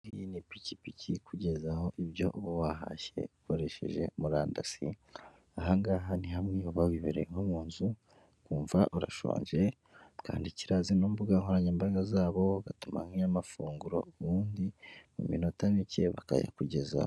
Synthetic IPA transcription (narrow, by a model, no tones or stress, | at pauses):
ijinipicipicʰikuɟe̞zaho̞ʔiβjo̞̰ʔβowaɦa̰çe̞̰ukoɾe̞ʃe̞̰ʒe̞̰muɾaːndasḭ | aɦaŋɡaɦanihamenioβawiβeɾejeŋomuːnzu | kuːɱvaʔuɾaʃo̰ːɲʒe̞ | ka̰ːndiciɾazinoːmbuɡaŋhoɾaɲeːmbaɡazaːβo̞ɡatuma̰ŋiamafuːŋɡuɾo̞̰uβuːndimṵmḭnotanice̞βaka̰ja̰kuɟe̞za̰o